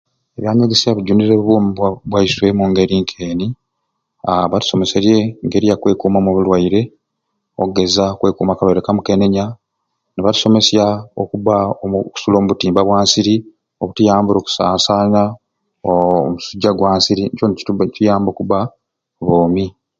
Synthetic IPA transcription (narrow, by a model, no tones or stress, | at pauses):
eβjaːɲeɡisiaβiɟuniɾeββoːmiwaβwaiswe̞muŋɡe̞ɾiŋkʰeːni | aβatu̥so̞me̞seɾje̞ŋɡe̞ɾijakwe̞ːkuːmamoβulwaiɾe̞ | okɡe̞zakwe̞ːkuːmakalwajɾekamuke̞ne̞ɲa | neβatu̥so̞me̞sjaokuβaoku̥suloːmuβutiːmbaβwaːnsiɾi | oβutujaːmbuɾo̞ːku̥saːsaːɲa | omusuɟːaɡwaːnsiɾint͡ʃoncujaːmbo̞kuβa | βoːmi